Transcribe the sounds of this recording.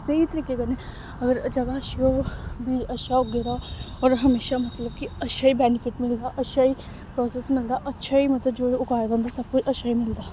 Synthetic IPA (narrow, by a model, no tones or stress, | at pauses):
seit̪əɾiːkekɐnẽ | ɐɡəɾd͡ʒɐɡaɐʃiobʱiːd͡ʒɐʃaʊɡɪɾa | ɔːɾɦɐmeːʃamɐt̪ləbkiɐʃaibɛːnɪfɪʈmɪld̪aʔɐʃʰai | pɾɔːsesmɪld̪aʔɐtːʃʰaimɐt̪ləbd͡ʒoːʊkaːɾb̪ə̃nd̪asɐb̚kʊt͡ʃʰɐʃaimɪld̪aː